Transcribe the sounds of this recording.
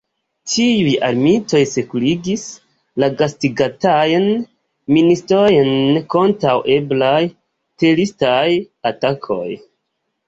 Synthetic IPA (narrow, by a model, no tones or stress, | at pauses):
tiujaɾmito̞jse̞kuliɡis | laɡastiɡatajn | ministɾojnko̞ntɾawʔe̞blaj | telistaj | atakʰo̞̰j